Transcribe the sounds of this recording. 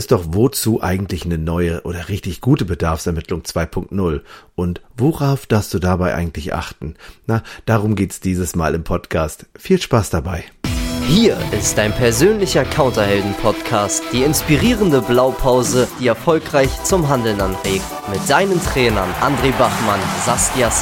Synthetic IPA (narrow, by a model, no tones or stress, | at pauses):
ʔɪst̚d̥ɔχvot͡suːʔa̰ɪɡŋ̩tʰlɪçnənɔʏəʔoːdɐʁɪçtɪçɡ̥uːtəbədaɐfsɛɐmɪtʰlʊŋt͡sv̥aɪpʰʊŋk̚tnʊlʔʊntvoʁaʊfd̥aːɐfst̚d̥uːdaːbaɪʔa̰ɪɡŋ̩tʰlɪçʔa̰χtn̩nad̥aːʁʊmɡeːtɛsd̥iːzəsma̰ːlɪmpʰɔtkʰaːstfiːlʃpaːsd̥abaɪhiːɐʔɪstd̥aɪnpʰɛɐzøːnlɪçɐkʰaʊntɐhɛldn̩pʰɔtkʰaːstd̥iːɪnspiʁiːʁəndəblaʊpʰaʊzəd̥iːɛɐfɔlkʁ̥aɪçt͡sʊmɦandl̩nanʁeːk̚tmɪt̚d̥aɪnəntʁ̥ɛːnɐnʔandʁeːbaχmanzasias